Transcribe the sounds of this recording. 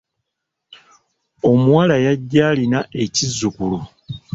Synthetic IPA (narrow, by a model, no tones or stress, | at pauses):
o̞muwalajaɟːaːlinae̞cizːukulu